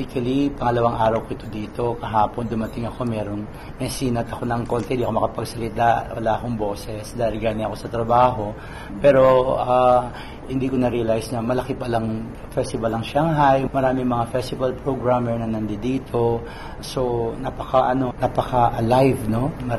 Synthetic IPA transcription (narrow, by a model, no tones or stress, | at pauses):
ɪkɐlipɐŋɐlɐwaŋʔaːɾɐwkoɪt̪o̞d̪iːt̪o̞kɐɦaːpo̞nd̪ʊmɐt̪ɪŋɐko̞mɛːɾoŋ | mɛsiːnɐt̪ɐko̞nɐŋko̞ːnt̪ɛnd̪iʔɐkomɐkɐpɐɡsɐlɪt̪awɐ̰laːʔɐko̞ŋbo̞ːsɛsd̪aːʔɪlɡaːnɪɐko̞sɐt̪ɾɐbaːɦo̞ | pɛːɾo̞a | hɪnd̪iːkonɐɾiɐlajsnɐmɐlɐkɪpɐlɐŋ | fɛst̪ɪvɐlːɐŋʃaŋɦajmɐɾaːmɪŋmɐŋafɛst̪ɪvɐlpɹoɡɹamɛɹnɐnɐnd̪ɛd̪iːt̪ʰo̞ | so̞nɐpɐkaʔɐno̞nɐpɐkɐʔɐlajvno̞mɐ